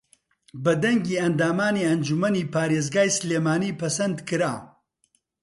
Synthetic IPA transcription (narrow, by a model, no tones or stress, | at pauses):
bɐd̪ɐŋɡiːɐnd̪aːmaːniɐnd͡ʒumɐniːpaːɾeːzɡaːjsleːmaːniːpɐsɐnd̪kɨɾa̰ː